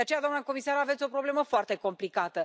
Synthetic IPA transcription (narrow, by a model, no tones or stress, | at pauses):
eat͡ʃe̞jad̪wamnako̞misaɾavet̪sʲo̞pɾo̞ble̞məfoart̪e̞ko̞mplikat̪ə